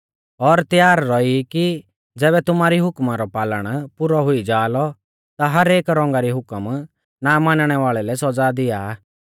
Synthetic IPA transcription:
ɔɾt̪jaːɾːɔiki | d͡zɛːbɛt̪ʊmaːɾiɦʊkmaɾɔpaːləɽ̃pʊɾɔɦʊid͡ʒaːlɔ | t̪aɦɐɾeːkɾɔ̃ŋ̆ɡaɾiɦʊkəm | namaːnɽ̃ɛʋaːɭɛlɛsɔd͡zad̪ɪja

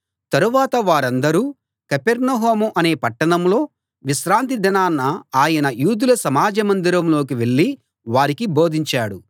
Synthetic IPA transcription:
t̪ɐɾuʋaːt̪ɐʋaːɾɐnd̪ɐɾuː | kɐpeɾnɐɦoːmuʔɐne̞ːpɐʈːɐɳɐmlo̞ː | ʋiʃɾaːnt̪id̪ʱɐnaːnːɐaːjɐnɐjuːd̪ulɐsɐmaːd͡ʒɐmɐnd̪iɾɐmlo̞ːkiʋe̞ɭːi | ʋaːɾikibo̞ːd̪ʱiɲt͡ʃaːɽu

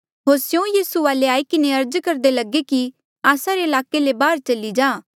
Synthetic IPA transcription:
ɦoːɾsjõjiːsuʋaːleaːikɪneɐɾd͡ʒkɐɾd̪elɐɡeki | aːsaɾeɪlaːkelebaːɾt͡ʃɐlid͡ʒaː

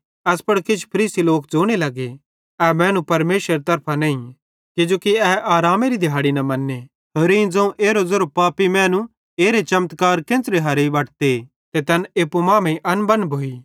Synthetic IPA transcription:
ɛspɐɽkɪt͡ʃʰpʰɐɾiːsiloːkd͡zoːɽ̃elɐɡe | ɛmɛ̃ːnũpɐɾmeːsɾeɾet̪ɐɾpʰanẽːĩ | kɪd͡ʒoːkiɛʔaːɾaːmeɾid̪ʱjaːɽinɐmɐnːe | t̪ʰoːɾeĩd͡zɐ̃ũʔeːɾozoɾopaːpimɛ̃ːnũ | eːɾet͡ʃɐmt̪kaːɾkẽːsɾeɦɐɾeʋɐʈt̪e | t̪et̪ɐneːpumãːmẽʔɐnbɐnbʱoːiː

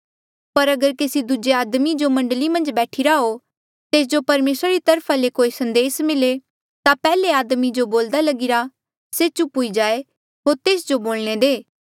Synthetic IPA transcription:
pɐɾɐɡəɾkesid̪ʊd͡ʒeaːd̪mid͡ʒomɐ̃ɳɖəlimɐ̃nd͡ʒbɛːʈʰiɾaɦo | t̪eːs̬d͡ʒopɐɾmeːsɾaɾit̪ɐɾpʰalekoːisɐ̃nd̪eːsmɪle | t̪apɛːleaːd̪mid͡ʒoboːld̪alɐɡɪɾa | set͡ʃʊpuid͡ʒaːe | ɦoːɾt̪eːsd͡ʒoboːlñed̪eː

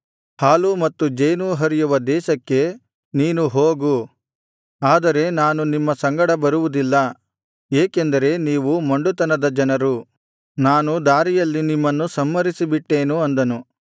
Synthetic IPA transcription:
haːlumɐt̪ːud͡ʒɐjnuɦɐɾijuʋɐd̪ɛːʃɐkːe̞ | niːnuɦoːɡu | aːd̪ɐɾe̞naːnunimːɐsɐŋɡɐɽɐbɐɾuʋud̪ilːɐ | eːkend̪ɐɾe̞niːʋumɐɳɖut̪ɐnɐd̪ɐd͡ʒɐnɐɾu | naːnud̪aːɾijɐlːinimːɐnːusɐmːɐɾisibiʈːe̞ːnuɐnd̪ɐnu

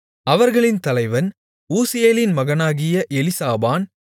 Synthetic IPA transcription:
ɐʋɐɾɣɐɭɪnt̪ɐlɐɪʋɐn | uːsɪjeːlɪnmɐɣɐnaːɣɪjɐʔɛlɪsaːbaːn

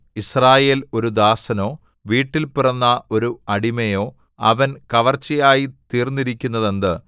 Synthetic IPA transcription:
israːje̞ːlo̞ɾud̪aːsɐno̞ː | ʋiːʈːilpirɐnːɐo̞ɾuɐɽimɐjo̞ː | ɐ̰ʋɐnkɐʋɐrt͡ɕːijaːjit̪iːrnːiɾikʲːunːɐðend̪ɨ

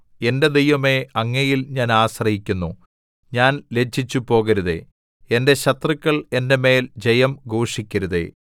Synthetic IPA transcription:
e̞nde̞d̪ejʋɐme̞ɐŋːɐjilɲaːnaːɕrɐhikʲːunːu | ɲaːnle̞t͡ɕʰːit͡ɕːupo̞ːɣɐɾuðe̞̰ | ende̞ɕɐt̪rɨkʲːɐɭe̞nde̞me̞ːld͡ʑejɐmɡoːʂikʲːɐɾuðe̞̰

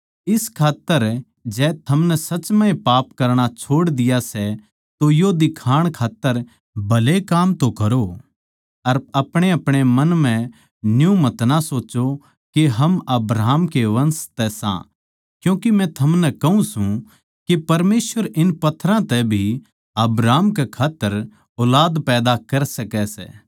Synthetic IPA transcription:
ɪskʰaːt̪ːəɾ | d͡ʒɛːt̪ʰɐmnɛsɐt͡ʃmãːẽpaːpkɐɾɽ̃at͡ʃʰoːɽd̪ɪjasɛ | t̪ojod̪ɪkʰaːɽ̃kʰaːt̪ːəɾ | bʱɐlekaːmt̪okɐɾo | ɐɾɐpɽ̃eɐpɽ̃emɐnmɛ̃ | njũmɐt̪nasoːt͡ʃo | keɦɐmɐbɾaːɦmkeʋɐ̃nst̪ɛsã̰ | kjũːkimɛ̃t̪ʰɐmnɛkɐũsũ | kepɐɾmeːsʋəɾɪnpɐt̪ʰːɾãt̪ɛbʱi | ɐbɾaːmkekʰaːt̪ːəɾ | ɔːlaːd̪pɛːd̪akɐɾsɐkɛsɛ̰ː

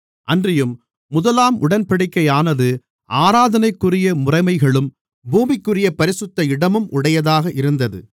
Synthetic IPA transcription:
ʔɐndrɪjɯmː | ʊðɐlaːmʔʊɽɐnpɐɽɪkːɐɪjaːnɐðɯ | ʔaːɾaːðɐnɐɪkːɯrɪjɐmʊrɐɪmɐɪɣɐɭɯm | buːmɪkːɯrɪjɐpɐɾɪsɯt̪ːɐɪɽɐmɯmʔʊɽɐjɐðaːɣɐʔɪɾɯnd̪ɐðɯ̰

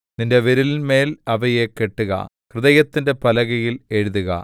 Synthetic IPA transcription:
ninde̞ʋeɾilme̞ːlɐʋɐje̞ke̞ʈːuɣɐ̰ | krɨðɐjɐt̪ːinde̞pɐlɐɣɐjile̞ɻuðuɣɐ̰

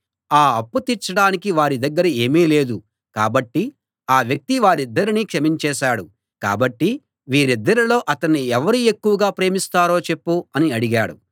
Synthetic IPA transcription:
aːɐpːut̪iɾt͡ʃɐɽaːnikiʋaːɾid̪ɐɡːɐɾɐeːmiːle̞ːd̪u | ka̰ːbɐʈːi | aːʋjɐk̚t̪iʋaːɾid̪ːɐɾiniːkʂɐmiɲt͡ʃɛːʃaːɽu | ka̰ːbɐʈːi | ʋiːɾid̪ːɐɾilo̞ːʔɐt̪ɐnːiɛʋɐɾie̞kːuʋɐɡaːpɾe̞ːmist̪aːɾo̞ːt͡ʃe̞pːuɐniɐɽiɡaːɽṵ

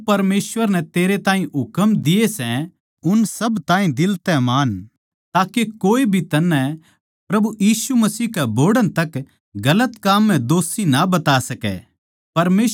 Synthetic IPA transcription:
pɐɾmeːsʋəɾnɛt̪eːɾet̪ãːɦĩɦʊkəmd̪ɪesɛ̃ | ʊnsɐbt̪ãːĩd̪ɪlt̪ɛmaːn | t̪aːkekoːebʱit̪ɐnːɛ̃ | pɾɐbujiːsumɐsiːɦkɛboːɖə̃ñt̪ɐk | ɡɐlət̪kaːmːɛ̃d̪oːsinabɐt̪aːsɐkɛ̰ | pɐɾmeː

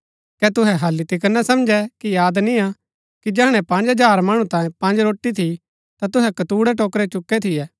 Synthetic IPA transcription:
kɛt̪ʊɦɛɦɐlːit̪ɪk̬ənasɐmd͡ʒɛkijaːd̪nia | kid͡ʒɛɦɽ̃ɛ̃pɐ̃nd͡ʒɦɐd͡ʒaːɾmɐɽ̃ũt̪ãːjẽpɐ̃nd͡ʒɾoːʈːit̪ʰi | t̪at̪ʊɦɛkɐt̪uːɽɛʈoːkɾɛt͡ʃʊkːɛt̪ʰɪjɛː

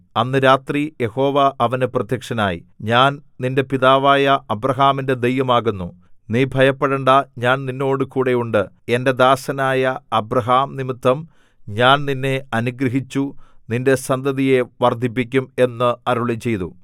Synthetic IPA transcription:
ɐnːɨɾaːt̪rije̞ho̞ːʋɐʔɐʋɐnɨprɐt̪jɐkʂɐnaːjḭɲaːnninde̞piðaːʋaːjɐɐbrɐɦaːminde̞d̪e̞jʋɐmaːɣunːu | niːbʱɐjɐpːeɽɐɳɖaɲaːnninːo̞ːɽɨkuːɽe̞juɳɖɨ | e̞nde̞d̪aːsɐnaːjɐɐbɾɐɦaːmnimit̪ːɐm | ɲaːnninːe̞ɐnuɡɾɐɦit͡ɕːuninde̞sɐnd̪ʱɐðije̞ʋɐrd̪ʱip̬ːikʲːume̞nːɨɐɾuɭit͡ɕːe̞jt̪u

